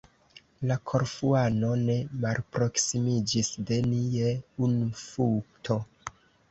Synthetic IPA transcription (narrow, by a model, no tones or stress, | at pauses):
lakʰo̞ɾfuano̞ne̞malpɾo̞ksimid͡ʒisde̞nieunfuktʰo̞